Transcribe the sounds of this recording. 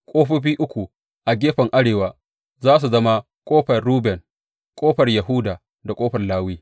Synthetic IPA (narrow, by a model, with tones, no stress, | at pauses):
kʷʼoː˦ɸi˦ɸiː˦ʔʊ˦kʷu˨ | ʔa˨ɡʲeː˦ɸɐ˨ŋʔa˦ɽeː˨waː˨ | zaː˦s̬u˨zɐ˦ma˦ | kʷʼoː˦ɸɐ˨rɾuː˦bɛ˨ŋ | kʷʼoː˦ɸɐ˨rja˨ɦʊː˦daː˨ | da˨kʼoː˦ɸɐ˨rlaː˦wiː˦